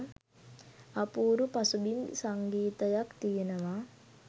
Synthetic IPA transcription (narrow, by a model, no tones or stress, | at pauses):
apuːɾupasubinsaŋɡiːt̪əjakt̪ijenəʋa